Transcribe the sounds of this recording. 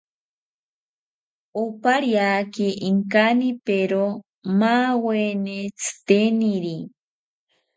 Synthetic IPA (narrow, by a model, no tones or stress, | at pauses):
opaɾjakiʔiŋkanipeɾo | mawenet͡sʰɨ̥t̪eniɾi